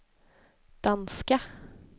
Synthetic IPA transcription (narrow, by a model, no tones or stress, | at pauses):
d̪̥ɑnskə